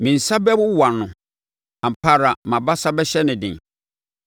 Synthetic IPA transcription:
mĩ˨n̩˨sa˦bɛ˦bʊ˦wa˨nʊ̃˨ | ã˨m̩˨pʰa˦ɾa˨mã˨ba˦sa˦bɛ˦ɕɛ˦nɪ̃˨dɪ̰̃˨n

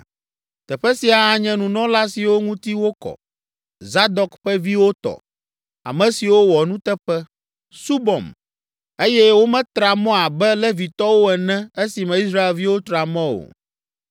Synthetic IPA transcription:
t̪ɛ˨ɸɛ˦si˨a˨a˨ɲɛ̃˨nũ˨nɔ̃˦la˦si˨wo˦ŋũ˦t̪i˦wo˦kɔ̰˨ | za˦d̪ɔ˨kɸɛ˦vi˦wo˦t̪ɔ̰˨ | a̰˨mɛ̃˨si˨wo˦wɔ˨nũ˦t̪ɛ˦ɸɛ˦ | su˦bɔ̰˨m | e˦jɛ˦wo˦mɛ̃˦t̪ɾa˨mɔ̃˦a˨bɛ˦lɛ˦vi˨t̪ɔ˦wo˦ɛ˨nɛ̃˦e˦si˨mɛ̃˨i˦s̬ɾa˦e˨lvi˦wo˦t̪ɾa˨mɛ̃˦o̰˨

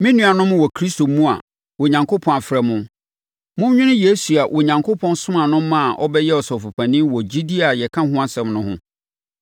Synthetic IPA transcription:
mĩ˦nũ˨˦a˨nʊ̃˦m˦wɔ˨kʰɾi˦sto˨mũ˦a̰˨ | wo˨ɲã˨ŋkʰo˦pʰɔ̃˨na˨fɾɛ˨mʊ̃˦ | mʊ̃˦ɲᶣʊ̃˦nʊ̃˦je˨˦su˨a˨ʔo˨ɲã˨ŋkʰo˦pʰɔ̃˦nsʊ̃˦mã˨nʊ̃˦mã˦a˨ʔɔ̰˦bɛ˦jɛ˦ɔ˨sɔ˨fu˨pʰã˨nĩ˦wɔ˨d͡ʑi˦di˦a˨jɛ˨kʰã˦hʊ̃˦a˦sɛ̃˨mnʊ̃˦hʊ̰̃˦

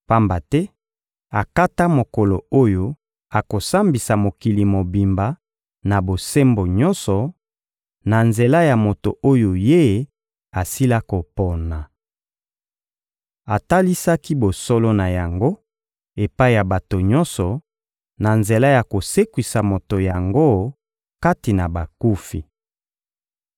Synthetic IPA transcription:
pa˦mba˨tɛ˦ | a˨ka˦ta˦mo˨ko˨lo˨o˦jo˦ | a˨ko˨sa˦mbi˨sa˨mo˨ki˨li˨mo˨bi˨mba˨ | na˨bo˨se˦mbo˨ɲɔ˦nsɔ˨ | na˨nze˨la˦ja˨mo˨to˨ʔo˦jo˨je˦ | a˨si˦la˦ko˨po˨na˨ | a˨ta˦li˦sa˦ki˦bo˨so˦lo˦na˨ja˨ŋɡo˦ | e˨pa˦i˨ja˨ba˨to˨ɲɔ˦nsɔ˨ | na˨nze˨la˦ja˨ko˨se˦kwi˨sa˨mo˨to˨ja˨ŋɡo˦ | ka˦ti˨na˨ba˨ku˦fḭ˨

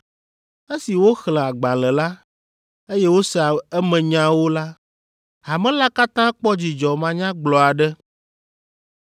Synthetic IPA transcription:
e˦si˨wo˦xlɛ̃˨a˨ɡ͡bã˨lɛ˨la˦ | e˦jɛ˦wo˦sɛ˦˨a˨ɛ˦mɛ̃˨ɲã˦wo˦la˦ | a˨mɛ̃˦la˦ka˦t̪ã˦k͡pɔ˦d͡ʑi˨d͡ʒɔ˨mã˦ɲã˦ɡ͡blɔ˨a˨ɖɛ˦

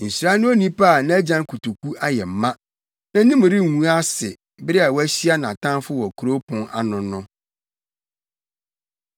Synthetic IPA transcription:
n̩˨sɾa˦nʊ̃˦o˦nĩ˦pʰa˦˨nã˦æ˦d͡ʑã˦ŋ˦kʰu˨tʰu˨kʰu˦ʔa˦jɛ˨m̩˨mã˦ | nã˦nĩ˦m̃˨ɾɪ˦˨ŋũ˦a˦sɪ˨ | bɪ˦ɾɪ˦a˨wɔ˦æ˦ɕi˦a˦nã˨tʰã˦nfʊ˦wɔ˨kʰu˨ɾo˦pʰʊ̃˦ŋa̰˦nʊ̃˨nʊ̃˦

